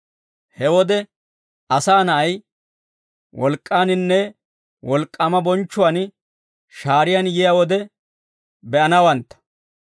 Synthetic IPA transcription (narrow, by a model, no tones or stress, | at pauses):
hɛwɔd̪ɛ | ɐsaːnɐʔɐj | wɔlkʼːaːnɪnːɛ | wɔlkʼːɐmɐbɔnt͡ʃːʊwɐn | ʃaːɾɪjanjɪjɐwɔd̪ɛ | bɛʔɐnɐwɐnt̪ːɐ̥